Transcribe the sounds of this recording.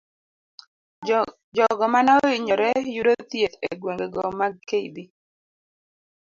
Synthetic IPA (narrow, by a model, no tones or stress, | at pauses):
d͡ʒɔɡɔmanɔiɲɔɾɛjuɾot̪jet̪ḛɡweŋɡeɡɔmakeibi